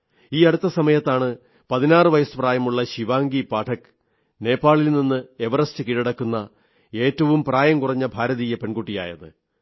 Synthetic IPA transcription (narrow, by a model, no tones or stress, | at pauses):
iːɐɽut̪ːɐsɐmɐjɐt̪ːaːɳɨ | pɐðinaːrɨʋɐjɐsu̥praːjɐmuɭːɐɕiʋaːŋɡipaːʈʰɐkːɨ̥ | ne̞ːpːaːɭilninːɨeʋɐrɐstɨkiɻɐɽɐkːunːɐ | e̞ːtːɐʋumpraːjɐmkurɐɲːɐbʱaːɾɐðiːjɐpe̞ɳɡuʈːija̰ːjɐ̰ðɨ